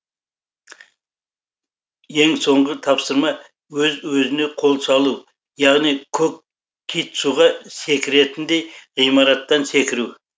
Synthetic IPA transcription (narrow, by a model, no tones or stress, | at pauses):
je̞ŋso̞ɴʁət̪ʰɑpsəɾmɑ | wɵzwɵzɪne̞qʰo̞lˠsɑlˠu | jɑʁnijkʲʰɵk̚ | kʲʰit̪suʁɑse̞kʲɪɾe̞t̪ɪnd̪e̞jʁijmɑɾɑt̪ːɑnse̞kʲɪɾu